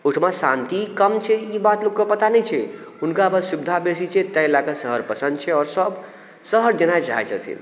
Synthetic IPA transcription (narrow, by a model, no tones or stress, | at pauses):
uʈʰmasãnt̪ikəmt͡ʃʰɛibat̪lokkəpət̪anɛt͡ʃʰɛ | unkabəsubɪd̪ʱabesit͡ʃʰɛt̪əjlaɡəsəɦəɾpəsə̃nd̪t͡ʃʰɛɔːɾsəb | səɦəɾd͡ʒenad͡ʒa̰et͡ʃə̰t̪ʰḭ